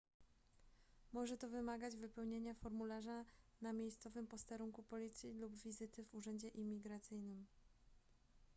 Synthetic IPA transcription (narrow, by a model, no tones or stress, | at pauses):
mɔʐɛt̪ɔvɘmaɡad͡ʑvɘpɛwɲeɲafɔɾmulaʐanamʲjejst̪sɔvɘmpɔst̪ɛɾuŋkupɔlʲit̪sʲjilubvʲizɘt̪ɘvuʐɛɲd͡ʑɛʔimʲiɡɾat̪sɘjnɘm